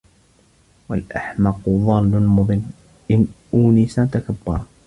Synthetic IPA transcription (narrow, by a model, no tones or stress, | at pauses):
walʔaħmɑqʊðˤɑːlːʊmʊðˤɨnː | ʔɪnʔuːnɪsat̪akabːɑɾˤɑ